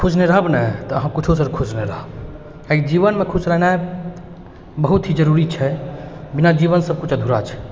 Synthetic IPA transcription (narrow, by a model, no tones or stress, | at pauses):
kʰud͡ʒneɾəɦəbnɛt̪ɔəɦãkit͡ʃʰosəɾkʰud͡ʒneɾəɦəb | ekd͡ʒiβənmekʰusɾənae | bəɦut̪ɦid͡ʒəɾuɾit͡ʃʰɛbinad͡ʒibənsəb̚kut͡ʃʰəd̪ʱuɾat͡ʃʰɛ̥